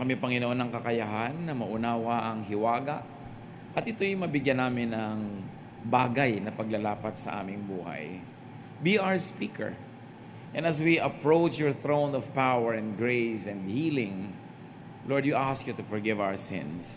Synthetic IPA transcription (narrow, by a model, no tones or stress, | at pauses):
kɐmɛpɐŋɪnoʔonɐŋkɐkɐjaɦanːɐmɐʔʊnaːwaʔɐŋɦɪwaːɡɐʔ | ʔɐt̪ʔɪt̪o̞jʊmɐbɪɡjanaːmɪnɐŋ | baːɡajnɐpɐɡlɐlaːpɐt̪̚sɐ̰ʔa̰ːmɪŋbuːha̰j | biʔawɹspiːkʰɛ̰ɹ | ʔɛ̃nɐs̬wiʔɐpɹowt͡ʃjɔɹθɹownɔvpawɛɹɛ̃nd̪ɡɹejsɛ̃nd̪hiːlɪ̃ŋ | lʔoɹd̪juʔaskjut̪ʊfɔɹɡɪvawə˞sɪ̰̃ns